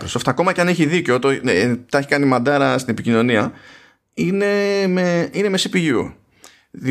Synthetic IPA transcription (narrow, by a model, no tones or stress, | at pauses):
kɾosoft̪eɐko̞mɐcɐneçiðiceot̪ot̪ɐçi̥kɐnimɐd̪ɐɾɐst̪ine̞picino̞niɐ | ine̞meine̞me̞sipiʝṵ | ði